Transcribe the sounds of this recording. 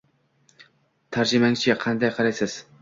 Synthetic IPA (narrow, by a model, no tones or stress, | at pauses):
t̪ʰæɾd͡ʒɪmæŋt͡ʃʰɪɛqʰɑnd̪ɑjqʰɑɾajsɨz̥